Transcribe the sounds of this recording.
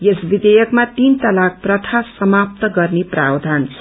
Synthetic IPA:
jesbid̪ejʌkmat̪int̪ʌlak̚prʌt̪ʰasʌmap̚t̪ʌɡʌrneprawd̪ʱant͡sʰʌ̥

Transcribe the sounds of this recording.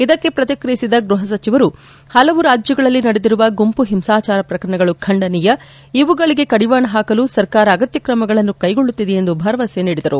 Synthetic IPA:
id̪ɐkːe̞pɾɐt̪jɐkɾɐjisid̪ɐɡɾuɦɐs̬ɐt͡ʃiʋɐɾu | hɐlɐʋuɾaːd͡ʒjɐɡɐɭɐlːinɐɽed̪iɾuʋɐɡompuɦimsaːt͡ʃaːɾɐpɾɐkɐɾɐɳɐɡɐɭukʰɐɳɖɐnijɐ | iʋuɡɐɭiɡe̞kɐɽiʋaːɳɐɦaːkɐlusɐɾkaːɾɐːɡɐt̪jɐkɾɐmɐɡɐɭɐnːukɐjɡo̞ɭːut̪ːid̪eend̪ubʱɐɾɐʋɐseniːɽid̪ɐɾu

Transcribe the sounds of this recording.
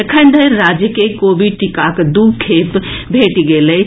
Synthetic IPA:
ɐkʰə̃nd̪əɾaːd͡ʒjəkekoːʋiʈɪkaːkd̪uːɡkʰeːp | bʱeːʈiɡeːlə

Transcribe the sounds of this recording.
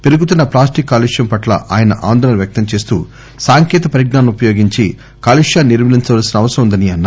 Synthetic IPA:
peɾuɡut̪unːɐplaːsʈikːaːliʂjɐmpɐʈlɐ̰ʔaːjɐnɐ̰ʔaːnd̪ɔːɽɐnɐʋjɐk̚t̪ɐmt͡ʃe̞ːst̪ṵː | saːŋkɛːt̪ɐpɐɾiɡnaːnɐmupɐjoːɡiɲt͡ʃi | kaːliʂjaːniɾʋmɐliɲt͡ʃɐʋaːlɐsinɐʋɐsɐʋund̪ɐniɐnːa

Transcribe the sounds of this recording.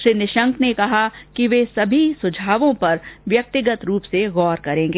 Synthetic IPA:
ʃɾinɪʃə̃ŋkʰnekɐɦakiʋesɐbʱisʊd͡ʒʱaːʋõpɐɾʋjɐk̚t̪ɪɡət̪ɾuːpseɣɔːɾkɐɾẽːŋɡeː

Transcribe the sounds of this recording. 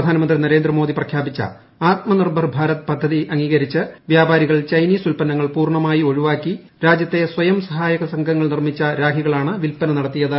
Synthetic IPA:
d̪ʱaːnɐmɐnd̪rinɐɾe̞ːnd̪rɐmo̞ːd̪iprɐkʰjaːbit͡ɕːɐ̰ | aːt̪̚mɐnirbʱɐrbʱaːɾɐt̪ːɨ̥pɐd̪ʱːɐðiʔɐŋɡiːɣɐɾit͡ɕːɨʋjaːbaːɾiɣɐɭt͡ɕɐjniːsulpɐnɐŋːɐɭpuːrɳɐmaːjio̞ɻuʋaːkːi | ɾaːd͡ʑjɐt̪ːe̞swɐjɐmsɐɦaːjɐɣɐsɐŋɡʱɐŋːɐɭnirmit͡ɕːɐɾaːɡʰʱiɣɐɭaːɳɨʋilpɐnɐnɐɽɐt̪ːijɐðɨ

